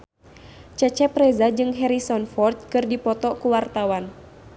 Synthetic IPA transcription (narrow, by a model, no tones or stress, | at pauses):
t͡ʃɛt͡ʃɛpɾɛzad͡ʒɨŋɦɛɾisɔnfɔrt̪̚kɨrdipɔt̪ɔkuwart̪awan